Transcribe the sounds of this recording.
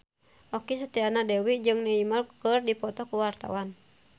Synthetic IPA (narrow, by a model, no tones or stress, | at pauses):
ʔɔkis̬ət̪ianadɛwid͡ʒɨŋnɛimarkərdipɔt̪ɔkuwart̪a̰wan